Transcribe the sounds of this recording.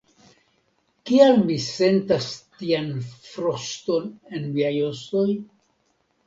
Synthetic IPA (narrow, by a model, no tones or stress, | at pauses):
kialmise̞ntastianfɾosto̞ne̞nmiajoso̞j